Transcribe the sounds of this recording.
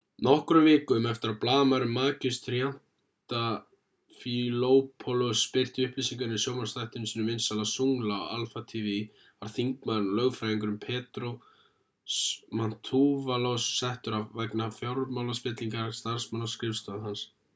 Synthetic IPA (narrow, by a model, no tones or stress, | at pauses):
nɔhkʏɾʏmvɪːkʏmɛft̪ɪɾaplaːðmaɾɪmːaːcɪst̪ɾjan̥ | t̪a | filoːwpʰɔlɔspɪr̥t̪ɪʏhplisiŋkanɪsjoːwmaɾ̥sθajht̪ʏnsiːnʏmvɪnsalasuŋlaɔ̰a̰lfat̪ʰivi | aɾ̥θiŋkmaðnlœɣfɾajiŋkʏɾʏmpʰɛːt̪ɾo | sman̥t̪ʰːuːvalowsːajht̪ʏɾavvaknafjoɾmawlaspɪt̪liŋkaɾst̪aɾ̥smanːaskɾɪfst̪aðhans